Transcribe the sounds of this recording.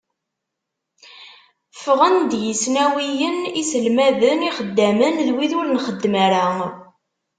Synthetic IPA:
fəʁənd̪jəsnæwijənisəlmæðəniχəd̪ːæmənðwiðʊɾnχəd̪ːmæɾæ

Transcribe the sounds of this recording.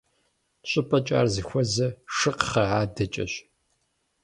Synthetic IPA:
ɕʼɨpʰʼɐt͡ʃʼa̰ːrzɨxʷɔzɐʂɨqχɐʕaːdɐt͡ʃʼɐ̰ɕ

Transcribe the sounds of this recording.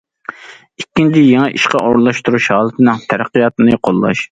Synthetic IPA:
ikʲːint͡ʃʰɪjeŋɛʔiʃqɑʔoɾlˠɑʃt̪uɾuʃhɑːlˠɨt̪ʰɨnɨŋt̪ʰæɾæqːijɑt̪ɨnɨqʰolˠːɑ̰ʃ

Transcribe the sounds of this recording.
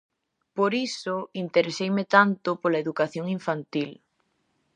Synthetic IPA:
poɾisoint̪eɾesejmet̪ant̪opolaeðukaθjoŋiɱfant̪il

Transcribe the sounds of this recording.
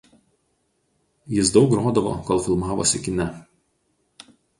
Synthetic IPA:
jɪsd̪ɒʊkɾoːd̪ɐʋo̰ːkoːlˠfʲɪlˠmɑːʋo̰sʲɪkʲɪnʲɛ

